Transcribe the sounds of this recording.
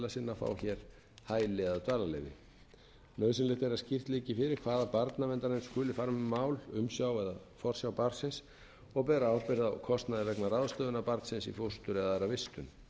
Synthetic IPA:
lasɪnːafa̰ːwçɛːɾ̥ | haːjlɪɛðt̪vaːlalɛːjvɪ̰ | nœːɥsɪnlɪht̪ɛɾascɪr̥t̪liːcɪfɪɾɪɾ̥kʰvaːðapaɾt̪navɛnt̪aɾaɪnskʏːlɪfaɾmʏmːaːwlʏmsjawɛðafɔr̥sjawpaɾt̪sɪns | ɔɣpɛːɾaawpɪɾðawkʰɔst̪naðɪlɛknaraðʏst̪œːðʏnapaɾt̪sɪnsḭfost̪ʏɾɛðaɛɾavɪst̪ʏn

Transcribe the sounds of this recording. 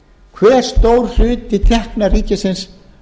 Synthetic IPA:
kʰvɛːɾ̥st̪oːwɾ̥r̥ʏːt̪it̪ʰɛhknariːcɪsɪns

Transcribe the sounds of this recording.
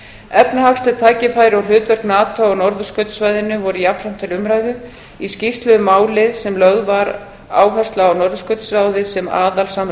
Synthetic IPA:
ɛpnahakst̪ɛ̥t̪ʰaːjcɪfaːjɾɪawrɦʏːt̪vœɾknaːt̪aɔnɔɾðʏskœt̪svajðɪnʏvɔɾʏjapʰɾ̥am̥t̪ʰɪlʏmɾaːjðʏ | iscift̪lʏmaːwlɪðsɛmlœɣðvaɾ | a̰ːwɦɛst̪laawnɔɾðʏskœt̪sɾaːwðɪsɛma̰ːðalsam

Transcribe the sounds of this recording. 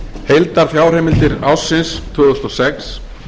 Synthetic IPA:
hejlt̪aɾ̥θjaːwr̥ejmɪlt̪ɪɾawsːɪnst̪ʰœːðʏst̪ɔsɛks

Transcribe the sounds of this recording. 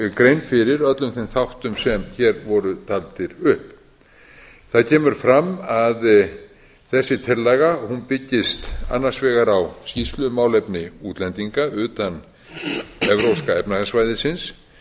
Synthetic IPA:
kɾejnfɪɾɪɾœt̪lʏmθemθawht̪ʏmsɛmçɛɾvɔɾʏt̪ʰalt̪ɪɾʏhp | θaðcʰɛːmʏɾ̥fɾamːað | θɛsːɪt̪ʰɪlːɛɣahunpɪcːɪst̪a̰nːḁsvɛːɣaɾawscist̪lʏmaːwlɛpnɪuːt̪lɛnt̪iŋkaʏːt̪an | ɛvɾowskaɛpnaɣasvajðɪsɪns

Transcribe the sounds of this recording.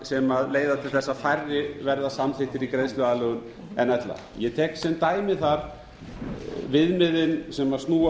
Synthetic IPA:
sɛmaðleːjðat̪ʰɪlθɛsːafajrːɪvɛɾðasamθɪht̪ɪɾikɾejnst̪ʏaðlœɣʏn | ɛnɛt̪la̰ | jɛt̪ʰɛːksɛmt̪aːjmɪθaɾ̥ | vɪðmɪðɪnsɛmast̪nuː

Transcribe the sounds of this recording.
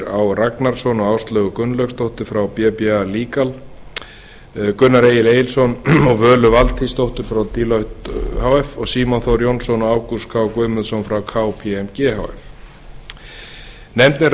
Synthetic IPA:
ɾawraknaɾ̥sɔnɔɣaːwst̪lœːɣʏkʏnːlœkst̪owht̪ʏɾfɾawpjɛpialiːkal | kʏnːaɾeːjɪleːjɪlsɔnɔɣvœːlʏvalt̪ʰist̪owht̪ʏɾ̥fɾawt̪iːlɔht̪hawɛfɔɣsiːmɔnθɔɾjɔwnsɔnɔaːwkuskʰawkʏːmʏðsɔnfɾawkʰaːwpʰiɛmcɛːɦa̰wɛ̰f | nɛmt̪nɪ

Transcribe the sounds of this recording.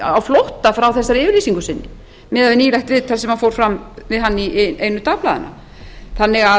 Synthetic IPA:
awflowht̪afɾawθɛsːaɾɪːvɪɾliːsiŋkʏsɪnːɪ | mɪːðavɪniːlɛxt̪ɾɪːt̪ʰːalsɛmhafowɾ̥fɾamvɪðɦanːiʔejnʏt̪aːplaða̰na̰ | θanːɪɣa

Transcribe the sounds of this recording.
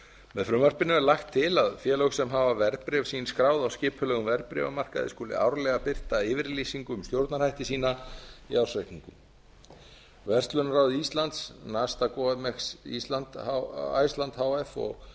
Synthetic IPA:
mɛðfɾʏmvar̥pɪnɪmɛɾlaxt̪ʰːɪlaðfjɛːlowxsɛmɦavavɛɾpɾɛvsiːnskɾaːwðawscɪːpʰʏlɛːɣʏmvɛɾpɾɛ̰va̰mar̥ka̰ðɪ̰skuːlɪ̰a̰wɾlɛɣapɪr̥t̪aɪːvɪɾliːsiŋkʏmst̪jowɾt̪naɾhajht̪ɪsiːnaḭawsvajk̪niŋkʏm | vɛr̥t̪lʏnɾaːwðɪist̪lant̪snast̪akɔɛmɛksḭst̪lant̪a̰jst̪lant̪haːwɛfɔ̰ɣ

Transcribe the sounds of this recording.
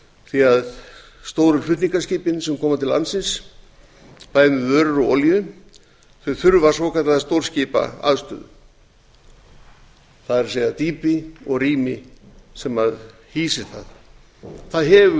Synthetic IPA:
θiað | st̪oːwɾʏɾfʏt̪niŋkasciːpɪnsɛmkʰɔːmat̪ʰɪlːa̰nsɪns | paːjnʏvœːɾʏɾɔ̰ːliʏ | θœθʏɾvḁsvɔkʰat̪aðast̪owɾ̥sciːpa̰a̰ðst̪œ̰ːðʏ̰ | θaðɛɾseːjðaðt̪iːpɪɔɣriːmɪsɛmað | hiːsɪ̥θað | θaðɦɛvʏ

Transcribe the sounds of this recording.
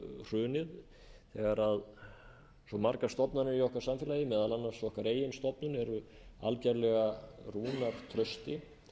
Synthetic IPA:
r̥ʏːnɪð | θɛɣaɾað | sɔmaɾkḁst̪ɔpnanɪɾiɔhkaɾ̥samfɪːlajɪmɛːðalanːḁsɔhkaɾeːjɪnst̪ɔpnʏnɛɾʏ | a̰lcɛɾlɛɣaruːnaɾ̥t̪ʰɾœst̪ɪ

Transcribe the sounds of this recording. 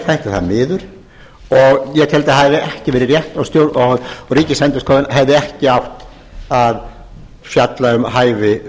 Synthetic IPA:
θajht̪aθaðmɪːðʏɾ̥ | ɔɣjɛt̪ʰɛlt̪ahaðɪɛhcɪvɛːɾɪrjɛht̪awst̪jowðɔriːcɪsɛnt̪ɪskʰɔːðɪnɦɛvðɪɛhcɪawht̪ | að | fjat̪laʏmɦaːjvɪ

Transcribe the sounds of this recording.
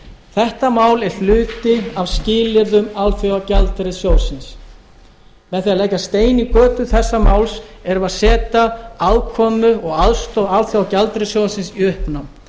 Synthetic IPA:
θɛht̪amaːwlɛɾ̥flʏːt̪ɪavscɪːlɪɾðʏmalθjɔwacalt̪ɾɪsjoːwsɪns | mɛðθialejkast̪eːjnikœːt̪ʏθɛsːamaːwlsɛɾʏvaðsɛːt̪aaðkʰɔːmʏɔɣaðst̪owalθjɔwacalt̪ɾɪsjoːwsɪnsiʏhpnam

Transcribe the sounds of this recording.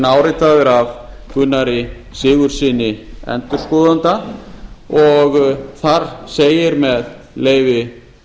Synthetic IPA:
naːwɾɪjt̪aðɪɾav | kʏnːaɾɪ | sɪːɣʏɾ̥sɪːnɪɛ̰nt̪ʏɾ̥skɔːðant̪a | ɔɣθaɾ̥seːjɪɾmɛðleːjvɪ

